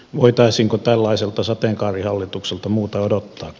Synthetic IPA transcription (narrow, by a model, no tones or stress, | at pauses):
ʋoit̪ɑisiːŋkot̪ælːɑiselt̪ɑsɑt̪eˑŋkɑːrihɑlːit̪ukselt̪ɑmuːt̪ɑodot̪ːɑːk